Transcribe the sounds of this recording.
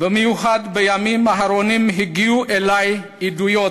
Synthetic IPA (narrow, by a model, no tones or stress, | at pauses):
bəmiuɦad̪bəjamimaɦaɾonimɦiɡiuʔelaj | idujo